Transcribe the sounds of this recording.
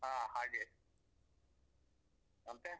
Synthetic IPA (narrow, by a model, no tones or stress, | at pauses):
ãːhaːɡe | ɐnt̪e